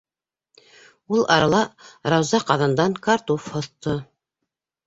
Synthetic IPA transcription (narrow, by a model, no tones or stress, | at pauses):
ulˠɑ̰ɾɑlˠɑɾɑwzɑqɑðɤ̆nd̪ɑŋkaɾt̪ufhŏθt̪o